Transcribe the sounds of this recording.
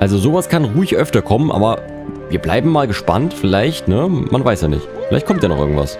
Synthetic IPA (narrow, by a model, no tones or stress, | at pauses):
ʔalzozoːvaskʰanʁuːɪçʔœftɐkʰɔmənʔa̰ːbɐ | viːɐbla̰ɪbm̩maːlɡəʃpa̰ntfɪlaɪçtnəma̰nvaɪsjaːnɪ̰çfɪlaɪçtkɔmtjaːnɔ̰χʔɪɐɡŋ̩tv̥a̰s